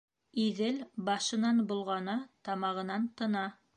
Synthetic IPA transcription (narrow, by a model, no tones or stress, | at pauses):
iðɘlbɑʃɤ̆nɑnbulˠʁɑnɤt̪ɑmɑʁɤ̆nɑnt̪ɤ̆nɑ